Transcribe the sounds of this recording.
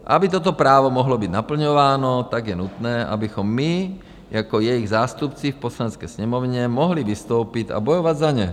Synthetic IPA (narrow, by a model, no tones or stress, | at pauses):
ʔa̰bit̪̬ɔt̪ɔpɾaːʋɔmɔɦlɔbid̪napl̩ɲɔʋaːnɔt̪aɡjɛnut̪nɛːʔa̰bixɔmːi | jakɔjɛjiɣzaːst̪upt͡sifpɔslanɛt͡skɛsɲɛmɔvɲɛmɔɦliʋist̪owpit̪a̰bɔjɔʋad̪zaɲɛ